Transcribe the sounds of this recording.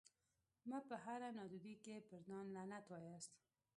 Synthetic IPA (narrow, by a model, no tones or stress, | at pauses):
mapəɦaɾanɑd̪ud̪ikepəɾd̪ɑnlanat̪wɑjast̪